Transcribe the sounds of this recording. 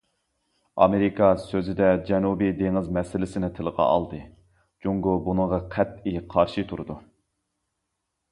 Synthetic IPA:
ɑ̰meɾikʰɑsøzɪd̪ɛd͡ʒɛnubid̪eŋɪzmɛsɪlɪsɪnɪt̪ʰɪlˠəʁɑ̰ʔɑ̰lˠd̪ɨ | d͡ʒuŋɡubunɨŋʁɑqʰɛt̪̚iqʰɑɾʃit̪ʰuɾud̪u

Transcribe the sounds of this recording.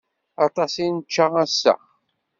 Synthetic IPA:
ɑt̪ˤɑsinət͡ʃːaæsːə̰χ

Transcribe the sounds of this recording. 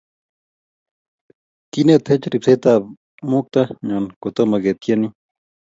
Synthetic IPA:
kinet̪ʰet͡ʃɾipset̪a | muk̚t̪ɐɲankot̪omɐɡet̪jɐni

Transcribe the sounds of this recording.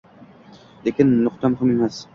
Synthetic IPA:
lekʲɪnːʊqt̪ʰamhamemas

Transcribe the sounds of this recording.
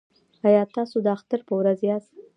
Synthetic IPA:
ajɑt̪ɑsod̪əaxt̪əɾpəwɾazjɑs

